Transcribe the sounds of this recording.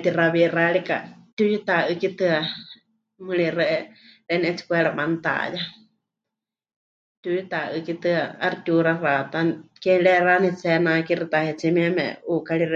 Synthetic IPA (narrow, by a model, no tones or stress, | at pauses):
t̪iraβiraɺika̰t̪ʲujit̪aʔɨkit̪ɨa | mɨɺirɛʔɛɾɛnʔɛt͡si̥kʷɛɺabant̪a̰ja | t̪ʲujit̪aʔɨkit̪ɨaa̰ɾit̪ʲuɾarat̪akɛɺɛranɛt͡sɛnakiɾit̪ahɛt͡simiɛmɛ̰̃ukaɺiɾ